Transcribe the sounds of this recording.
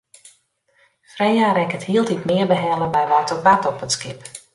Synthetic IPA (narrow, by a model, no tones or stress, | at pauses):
frejaːɾɛkəthiəlˠtitmɪərbəɦɛləbɛjʋatɔkʋatɔpətskɪp